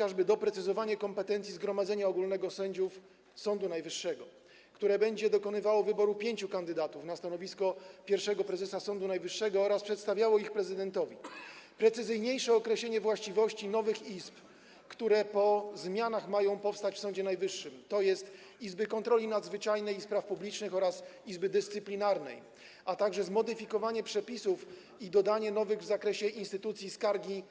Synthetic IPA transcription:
ɔaʐbɘd̪ɔpɾɛt̪sɘzɔvaɲɛkɔmpɛt̪ɛnt̪sʲizɡɾɔmad̪zɛɲaɔɡulnɛɡɔsɛɲd͡ʑuf | sɔnd̪unajvɘʂːɛɡɔ | kt̪uɾɛbɛɲd͡ʑɛd̪ɔkɔnɘvawɔvɘbɔɾupʲjeɲt͡ɕukand̪ɘd̪at̪ufnast̪anɔvʲiskɔpʲjɛɾfʂɛɡɔpɾɛzɛsasɔnd̪unajvɘʂːɛɡɔɔɾaspʂɛt̪st̪avʲjawɔixpɾɛzɘd̪ɛnt̪ɔvʲipɾɛt̪sɘzɘjɲejʂɛɔkɾɛɕleɲɛvwaɕt͡ɕivɔɕt͡ɕinɔvɘxisp | kt̪uɾɛpɔzmʲjanaxmajɔ̃w̃pɔfst̪at͡ɕfsɔ̃ɲd͡ʑɛnajvɘʂːɘmt̪ɔjɛst̪ | izbɘkɔnt̪ɾɔlʲinad̪zvɘt͡ʂajnɛjspɾafpublʲit͡ʂnɘxɔɾas | izbɘd̪ɘst̪sɘplʲinaɾnɛ̰j | at̪aɡʐɛzmɔd̪ɘfʲikɔvaɲɛpʂɛpʲisuf | id̪ɔd̪aɲɛnɔvɘɣvzakɾɛɕɛʔinst̪ɘt̪ut̪sʲjiskaɾɡʲi

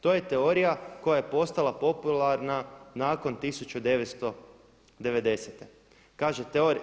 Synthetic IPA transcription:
t̪o̞ːje̞t̪eo̞ɾijako̞jaje̞po̞st̪alapo̞pulˠaɾnanaːko̞nt̪isut͡ɕud̪e̞ʋet̪st̪o̞ | d̪e̞ʋe̞d̪e̞set̪e | kaːʒet̪eoɾ

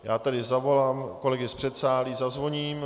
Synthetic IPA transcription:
jaːt̪adɪzavo̞laːmko̞lɛɡɪspr̝̥ɛt̪saːliːzazvo̞ɲiːm

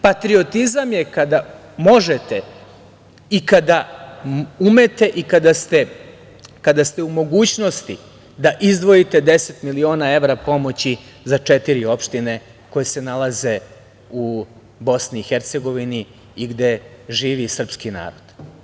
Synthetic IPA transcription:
pat̪ɾio̞t̪izamjekad̪a | mo̞ʒe̞t̪e̞ | ikad̪a | ume̞t̪e̞ʔikad̪ast̪e | kad̪ast̪e̞umo̞ɡuːt͡ɕno̞st̪i | d̪aʔizd̪ʋo̞it̪e̞d̪e̞se̞t̪milio̞ːnae̞ʋɾapo̞mo̞t͡ɕi | zat͡ʂet̪iɾio̞pʃt̪ine̞ | ko̞jese̞nalˠaze̞ | u | bo̞sniːxeɾt̪se̞ɡo̞ʋini | iɡd̪e̞ʒiːʋisr̩pskina̰ːɾo̞d̪̥

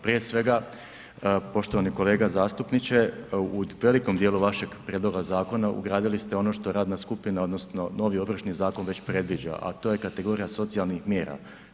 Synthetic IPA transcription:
pɾije̞sʋe̞ɡa | po̞ʃt̪o̞ʋaniko̞le̞ːɡazaːst̪upnit͡ɕeuʋe̞liko̞md̪jeːluʋaʃe̞ɡpɾjed̪lˠo̞ɡazaːko̞naṵɡɾaːd̪ilist̪e̞o̞no̞ʃt̪o̞ɾaːd̪naskupinao̞d̪no̞sno̞no̞ʋio̞ʋr̩ʃnizaːko̞nʋe̞t͡ɕpɾe̞d̪ʋid͡ʑa̰ʔa̰t̪oje̞kat̪e̞ɡo̞ɾijaso̞t̪sijalˠnixmje̞ːɾa̰

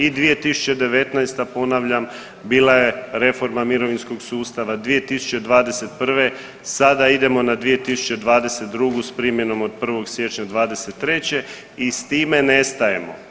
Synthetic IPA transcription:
id̪ʋije̞t̪isu̥t͡ɕe̞d̪e̞ʋe̞t̪najst̪apo̞naʋʎam | biːlaje̞ɾe̞fo̞ɾmamiɾo̞ʋinsko̞ɡsuːst̪aʋad̪ʋije̞t̪isu̥t͡ɕed̪ʋaːd̪e̞se̞t̪̚pr̩ʋe̞ | sad̪aid̪e̞mo̞nad̪ʋije̞t̪isu̥t͡ɕe̞d̪ʋaːd̪e̞set̪̚d̪ɾuɡuspɾimjeno̞mod̪̚pr̩ʋo̞ɡsʋje̞t͡ʃɲad̪ʋaːd̪e̞set̪ːɾe̞t͡ɕe̞ | ist̪iːmene̞st̪aje̞mo̞̰

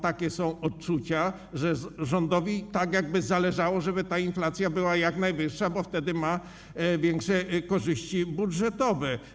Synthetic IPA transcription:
t̪akʲɛsɔ̃w̃ɔtt͡ʂut͡ɕa | ʐɛʐɔnd̪ɔvʲit̪aɡjaɡ̚bɘzalɛʐawɔʐɛbɘt̪ainflat̪sʲjabɘwajaknajvɘʂːabɔft̪ɛd̪ɘma | vʲjɛŋkʂɛkɔʐɘɕt͡ɕibudʐɛt̪ɔvɛ

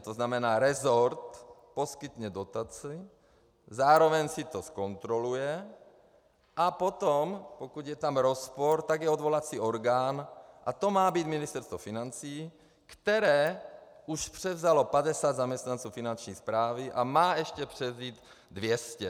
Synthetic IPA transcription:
t̪oznamɛnaːɾɛzoɾt̪po̞skɪt̪ɲɛdo̞t̪at͡si | zaːɾo̞vɛɲsɪt̪osko̞nt̪ɾo̞lujɛ | ʔapo̞t̪ompokud̪jɛt̪amɾo̞spoɾt̪aɡjɛod̪vo̞lat͡siːʔo̞ɾɡaːnʔat̪o̞maːbiːd̪mɪnɪst̪ɛɾst̪vofɪnant͡siː | kt̪ɛɾɛː | uʃpr̝̥ɛvzalo̞padɛsaːd̪zamɲɛst̪nant͡suːfinant͡ʃɲiːspɾaːvɪʔamaːʔɛʃcɛpr̝̥ɛvziːt̪ | dvjɛscɛ

